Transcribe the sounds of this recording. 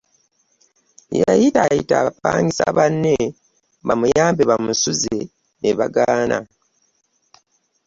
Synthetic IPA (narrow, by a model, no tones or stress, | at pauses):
jajitajitaβapaːŋɡisa̰βanːe | βamujaːmbeβamusuze | neβaɡaːnʔa̰